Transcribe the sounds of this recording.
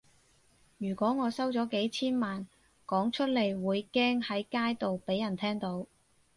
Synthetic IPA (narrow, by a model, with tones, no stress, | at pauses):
jyː˨˩kʷɔː˨˥ŋɔː˨˧sɐ˥wt͡sɔː˨˥ke˨˥jt͡sʰiː˥nmaː˨n | kɔː˨˥ŋt͡ʃʰɵ˥t̚le˨˩jwuː˨˧jkɛː˥ŋhɐ˨˥jkaː˥jt̪o˨wpe˨˥jːɐ˨˩nt̪ʰɛː˥ŋt̪o˨˥w